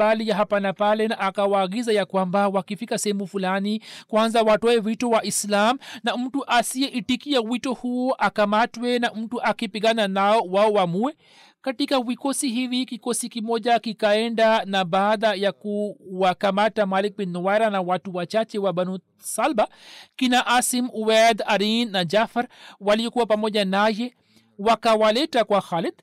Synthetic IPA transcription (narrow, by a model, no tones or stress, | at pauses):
balijaɦapanapalɛnaʔːkawaːɡizajakwambawakifikasɛhɛmufulanikwanzawatɔɛvitɔwaislam̩nam̩tuʔasiɛʔitikiawitɔhuɔʔakamatwɛnam̩tuʔakipiɠananaɔwaɔwamuɛ | katikavikɔsiɦivikikosikimɔʄakikaɛɳdanabaːd̪ajakuwakamatamalik̚binːɔwaɾanawatuwat͡ʃat͡ʃɛwabanu | salbakinaʔasimuwad̪aɾinːad͡ʒafaɾwalijokuwapamɔʄanaje | wakawalɛtakwaxalɛd̪